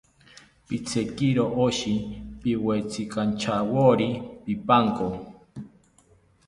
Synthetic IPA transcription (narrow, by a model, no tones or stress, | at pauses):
pit͡sʰekiɾoʔoʃipiwet͡sʰikant͡ʃʰawoɾipipaŋko